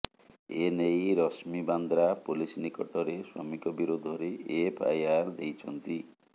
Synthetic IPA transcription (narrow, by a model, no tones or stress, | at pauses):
enejɾɔsmiband̪ɾapulisnikɔʈɔɾeswɔ̰mikɔbiɾod̪ʱɔɾeːpʰa̰jaɾd̪ejt͡ʃʰɔnt̪i